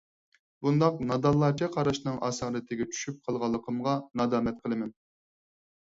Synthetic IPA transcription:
bund̪ɑqnɑd̪ɑlˠːɑt͡ʃʰɛqʰɑɾɑʃnɨŋʔɑ̰ːsɑːɾɨt̪ʰɪɡʲɛt͡ʃʰy̥ʃyp̚qʰɑlˠʁɑlˠːəqʰəmʁɑnɑːd̪ɑːmɛt̪̚qʰəlˠɨmɛn

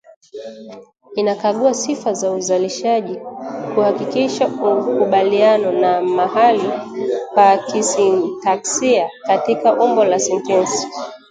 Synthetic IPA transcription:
inakaɠuasifazauzaliʃaʄikuhakikiʃaukuɓalianɔnamaɦalikwakisintaksiakatikaʔumbɔlasɛntɛnsi̥

